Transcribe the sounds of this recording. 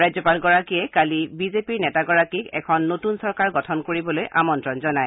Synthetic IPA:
ɹajzɔpalɡɔɹakijɛkalibizepiɹnɛtaɡɔɹakikɛ̰kʰɔnːotunsɔɹkaɹɡɔtʰɔnkoɹibɔlojʔamɔntɹɔnzɔnaj

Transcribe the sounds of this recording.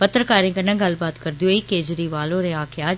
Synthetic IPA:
pət̪ɾəkaːɾẽːkənẽːɡəlbaːt̪kəɾd̪iɦoːiːkeːd͡ʒɾiːʋaːlõːɾẽːaːkʰeaː

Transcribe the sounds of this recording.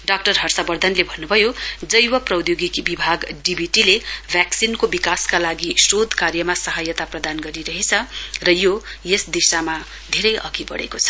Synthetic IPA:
ɖak̚ʈʌrɦʌrsabʌrd̪ʱʌnlebʱʌnːubʱʌjod͡zʌjwʌprʌwd̪joɡikbibʱaɡɖibʱiʈilebʱjaksinkobikaskalaɡisrod̪ʱkarjʌmasʌɦajʌt̪aprʌd̪anɡʌɾiɾʌɦet͡sʰʌrʌjojesd̪isama | d̪ʱeɾʌjʔʌ̰ɡibʌ̰ɽḛkot͡sʰʌ̥

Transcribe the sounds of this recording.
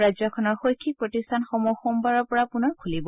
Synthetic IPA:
ɹazɔkʰɔnɔɹxojkʰːikpɹɔtistʰanxɔmɔxɔmbaɹɔɹpɔɹapunɔɹkʰulibɔ

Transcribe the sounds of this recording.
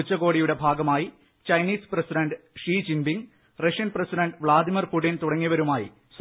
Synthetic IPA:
ut͡ɕːɐɣo̞ːɽijuɽe̞bʱaːɡɐmaːji | t͡ɕɐjniːsprɐsiɖɐɳɖɨʂiːd͡ʑimbiŋ | rɐʂijɐnprɐsiɖɐɳɖʋɭaːd̪imɐrpuʈːint̪uɽɐŋːiʋɐɾumaːjḭ | s

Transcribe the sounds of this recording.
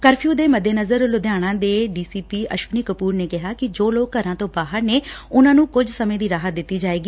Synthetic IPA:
kəɾpʰjuːd̪eːməd̪ːeːnəzəɾlʊd̪jaːɽ̃ãːd̪eːɖiːsiːpiːʔəʃʋəniːkəpuːɾneːkɪɦaːkɪd͡ʒoːloːkːəɾãːt̪õːbaːɦəɾneːʊnãːnũːkʊd͡ʒsəmẽːd̪iːɾaːɦət̪̚d̪ɪt̪ːiːd͡ʒaːeːɡiː

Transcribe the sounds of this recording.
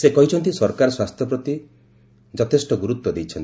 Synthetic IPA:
sekɔɦit͡ʃʰɔnt̪̬isɔɾkaɾɔswast̪ʰjɔpɾɔt̪i | d͡ʒɔt̪ʰesʈɔɡuɾut̪wɔd̪ejt͡ʃʰɔnt̪i

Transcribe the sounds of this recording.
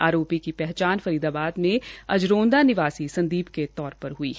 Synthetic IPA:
aːɾoːpikipɛɦt͡ʃaːnfɐɾiːd̪abaːd̪mẽɐd͡ʒɾõːnd̪anɪʋaːsisɐ̃nd̪iːbket̪ɔːɾpɐɾɦʊḭː

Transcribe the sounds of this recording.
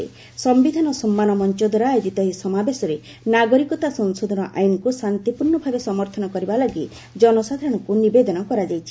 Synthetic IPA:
ḛ | sɔmbid̪ʱanɔsɔmːanɔmɔnt͡ʃɔd̪ʱɔɾajjod͡ʒit̪ɔɦisɔmabesɔɾe | naɡɔɾikɔt̪asɔnsod̪ʱɔnɔʔajnɔkusant̪ipuɾɳɔbʱabesɔmɔɾt̪ʰɔnɔkɔɾibalaɡi | d͡ʒɔnɔsad̪ʱaɾɔɽ̃ɔkunibed̪ɔnɔkɔɾad͡ʒajt͡ʃʰi̥

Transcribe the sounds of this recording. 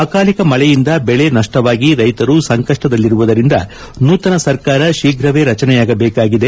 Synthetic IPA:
aːkaːlikɐmɐɭɛjind̪ɐbɛɭe̞nɐʂʈɐʋaːɡiɾɐjt̪ɐɾusɐŋkɐʂʈɐd̪ɐlːiɾuʋud̪ɐɾind̪ɐ | nuːt̪ɐnɐsɐɾkaːɾɐʃiːɡʱɾɐʋe̞ːɾɐt͡ʃɐnɛjaːɡɐbeːkaːɡid̪e̞

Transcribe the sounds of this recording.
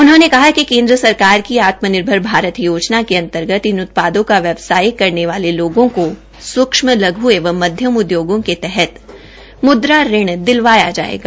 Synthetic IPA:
ʊnɦõːnekɐɦakikẽːnd̪ɾəsɐɾkaːɾkiaːt̪mənɪɾbʱəɾbʱaːɾət̪joːd͡ʒnakeɐ̃nt̪əɾɡət̪inʊt̪̚paːd̪õkaʋjɐʋsaːɪkɐɾneʋaːleloːɡõko | swʊkʃməlɐɡʱɦʊeʋə̃mːɐd̪ʱjəmʊd̪joːɡõket̪ɛɦɛt̪ | mʊd̪ɾaɾɪɽ̃d̪ɪlʋaːjad͡ʒa̰ːḛːɡaː

